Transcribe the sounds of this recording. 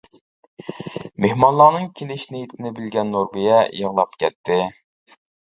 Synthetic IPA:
mehmɑnlˠɑːnɨŋkʲʰinɪʃnɪjit̪ʰɪnɪbɪlɡʲɛnːoɾbɨjɛjəʁlˠɑpkʲʰɛt̪ʰːɪ

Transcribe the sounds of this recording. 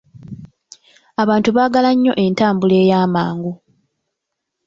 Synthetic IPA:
aβaːntuβaːɡalaɲːo̞̰ʔe̞ntaːmbule̞ːjaːmaːŋɡu

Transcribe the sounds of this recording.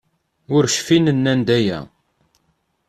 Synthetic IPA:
ʊɾʃfinənːænd̪æjæ̰

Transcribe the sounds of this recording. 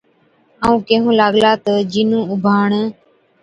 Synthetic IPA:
əːũːkeːɦũːlaːɠlaːt̪əd͡ʒiːnũːʊbʱaːɳ

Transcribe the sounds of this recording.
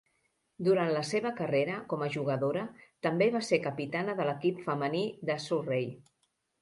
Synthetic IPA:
d̪uɾant̪ləseβəkəreɾəkɔməʒuɣəðoɾət̪əmbeβasekəpit̪anəðələkipfəməniðəsurej

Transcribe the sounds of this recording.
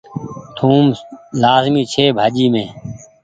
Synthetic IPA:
t̪ʰuːmlaːzmiːt͡ʃʰeːbʱaːd͡ʒiːmẽː

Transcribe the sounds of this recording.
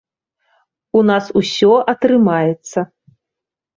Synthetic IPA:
unasusʲɔʔɐt̪ɾɨmajɛt̪sːɐ

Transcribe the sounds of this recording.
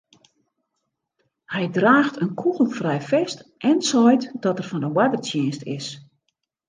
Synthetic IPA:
hɛjdraːxtʰənkʰuɣl̩ˠfrɛjfɛstʔɛnsɔjtd̥ɔtərfɔndəwɛdərtjɪːnstʰɪ̰s

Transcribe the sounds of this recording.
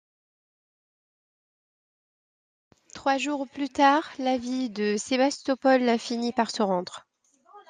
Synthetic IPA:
t̪χwaʒuʁplyt̪aːʁlavid̪əsebast̪ɔpɔlafinipaʁsəʁɑ̃d̪ʁ

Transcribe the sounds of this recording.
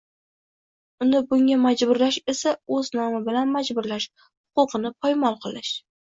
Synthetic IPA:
ʊnɪbʊŋʲamad͡ʒbʊɾlaʃe̞saɵznɒmabɪlanmad͡ʒbʊɾlaʃ | hʊ̥qʊqʰɨnɪpʰɒjmɒlˠqʰɨlˠɪʃ

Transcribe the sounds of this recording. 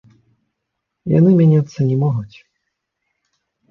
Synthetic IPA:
ja̰nɨmʲanʲat̪sːɐnʲɛmɔɣut͡sʲ

